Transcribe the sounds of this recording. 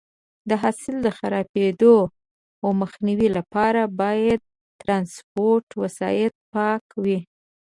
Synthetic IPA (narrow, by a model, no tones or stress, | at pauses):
d̪əɦasɪld̪əxaɾɑped̪o | awməxniwilapɑɾabɑjad̪̚ | t̪ɾɑnspoɾʈwasɑ̰jɪt̪̚pɑkwi